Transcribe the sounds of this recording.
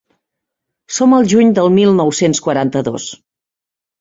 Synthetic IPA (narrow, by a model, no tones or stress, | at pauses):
soməlˠʒuɲd̪əlˠmilˠnɔwsenskwəɾant̪əðo̰s